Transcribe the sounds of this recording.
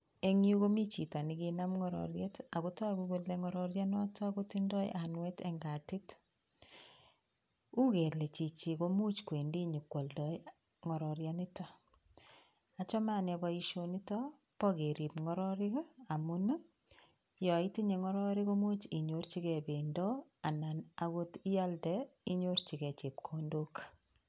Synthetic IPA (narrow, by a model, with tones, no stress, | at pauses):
e˨ŋi˦u˦ko˦mi˦t͡ʃi˨ta˨ni˨kina˦mŋɔ˦ɾɔ̰˨ɾjeta˨kuta˦kuɡu˦leŋɔ˦ɾɔɾja˦nɔ˦tɔ˦ko˦tɪ˦ndɔ˦j̰ʔanwɛte˦ŋɡa˨tɪ˦t | u˦ke˨le˨t͡ʃi˨t͡ʃi˨ko˦mu˦t͡ʃkwe˨ndi˦ɲi˨kwɔ˨ldɔ | ŋɔ˨ɾɔ˨ɾjanɪ˦tɔ˦ | a˨t͡ʃɔ˦ma˦ne˨bɔiʃoni˦tɔ˦ | pɔ˦ɣe˨ɾi˨pŋɔ˦ɾɔɾɪ˦ka˨mu˦n˦ | jɔ˨iti˦ɲe˨ŋɔ˦ɾɔɾi˦ɣo˦mu˦t͡ʃi˨ɲo˦ɾt͡ʃi˦kɛ˨bendɔ˦a˨na˨na˦ɣo˦ti˦ja˦ldɛi˦ɲo˦rt͡ʃi˨kɛ˨t͡ʃe˨p̚kʰondok